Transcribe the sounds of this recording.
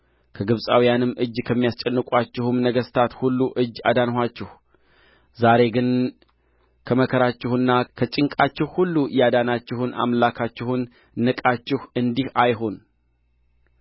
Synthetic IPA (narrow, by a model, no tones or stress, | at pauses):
kʰəɡɨβsʼa̰wijanɨmːʔɨd͡ʒkʰəmːijast͡ʃʼɛnːɨkʼwat͡ʃːɪhumnəɡəst̪ʰat̪hulːuʔɨd͡ʒːa̰d̪anɦat͡ʃːɪh | zaɾe̞ɡɨn | kʰəməkʰəɾat͡ʃːɪhɨnːakʰət͡ʃʼɪŋkʼat͡ʃːɪhhulːujad̪anat͡ʃːɪhunʔa̰mlakʰat͡ʃːɪhunː | ɨkʼat͡ʃːɪhɨnd̪ihajɦo̞n